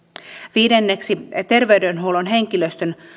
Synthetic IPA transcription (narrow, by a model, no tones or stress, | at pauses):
ʋiːdenːeksit̪e̞rʋe̞ydenɦuwlonɦe̞ŋkiløst̪øn